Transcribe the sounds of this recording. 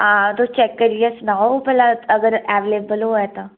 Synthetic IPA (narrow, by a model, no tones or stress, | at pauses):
ãːt̪ot͡ʃɛkːəɾiesnaːoopɛlaɐɡəɾɛːʋeleːbəlɦoɛt̪a